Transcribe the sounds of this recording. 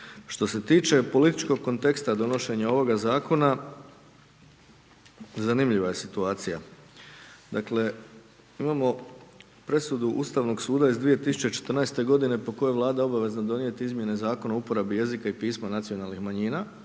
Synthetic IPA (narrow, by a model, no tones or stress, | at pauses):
ʃt̪o̞se̞t̪iːt͡ʃe̞po̞lit̪it͡ʃko̞ɡ̚ko̞nt̪e̞kst̪ad̪o̞no̞ʃe̞ɲao̞ʋo̞ɡazaːko̞na | zanimʎiʋaje̞sit̪uaːt̪sija | d̪akle̞ | imamo̞ | pɾe̞sud̪uʔust̪aːʋno̞ɡsuːd̪aizd̪ʋije̞t̪isu̥t͡ɕe̞t͡ʃe̥t̪r̩najst̪e̞ɡo̞d̪ine̞po̞ko̞jeʋlˠaːd̪ao̞baʋe̞znad̪o̞nije̞t̪iizmʲje̞ne̞zaːko̞naoupo̞ɾabije̞zikaipiːsmanat̪sijo̞nalnixmaɲiːna